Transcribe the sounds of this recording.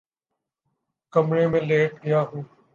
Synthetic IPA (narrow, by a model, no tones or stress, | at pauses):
kəmɾẽːmẽːleːʈɡɪjaːɦuː